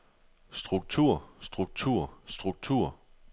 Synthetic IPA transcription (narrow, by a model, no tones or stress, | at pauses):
sd̥ʁuɡ̥̚t͡sʰuɐ̰sd̥ʁuɡ̥̚t͡sʰuɐ̰sd̥ʁuɡ̥̚t͡sʰuɐ̰